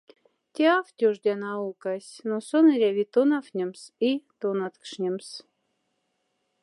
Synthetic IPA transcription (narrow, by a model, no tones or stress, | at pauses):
t̪ʲeaft̪ʲoʐd̪ʲanɑukasʲnosonɨɾʲavʲit̪onafnʲemsit̪onat̪kʂnʲems